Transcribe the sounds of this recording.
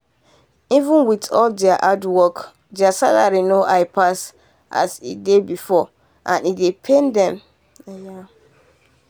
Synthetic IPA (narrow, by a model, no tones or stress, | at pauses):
ivə̃nwitɔldɛaʔadwɔk | dɛasataɾinoʔaɪpʰas | ʔa̰sḭdebifɔ | ʔã̰nidepʰẽndɛ̃m | ja